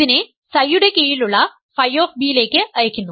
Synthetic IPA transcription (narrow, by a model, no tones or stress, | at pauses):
ine | sɐjːuɽe̞kejiluɭːɐ | fɐjːo̞ːfbijile̞ːkːɨʔɐjɐkʲːunːu